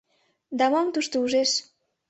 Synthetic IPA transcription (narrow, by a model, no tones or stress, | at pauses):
d̪ɑmɑmt̪uʃt̪əuʒeʃ